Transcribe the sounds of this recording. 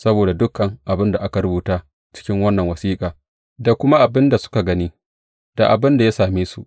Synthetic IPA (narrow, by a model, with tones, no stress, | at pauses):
sɐ˦boː˨da˨dʊ˦kːɐ˨ŋʔa˨bɪ˦nda˨ʔa˦ka˨ɾʊ˦buː˨taː˦ | t͡ʃɪ̥˦kʲɪ˦ŋwɐ˦nːɐ˨ŋwɐ˨siː˦kʼaː˨ | da˨kʷʊ˦ma˦ʔa˨bɪ˦nda˨sʊ̥˦ka˨ɡɐ˦niː˦ | d̥a˨ʔa˨bɪ˦nda˨jaː˦saː˨meː˦sṵ˦˨ʔ